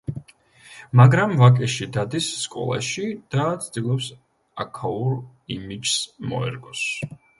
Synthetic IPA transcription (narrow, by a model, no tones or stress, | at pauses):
maɡɾamvakʼɛʃid̪ad̪isːkʼɔ̰lˠa̰ʃid̪̥at̪sʰd̪ilˠɔps | akʰauɾ | imid͡ʒsmɔ̰ɛ̰ɾɡɔs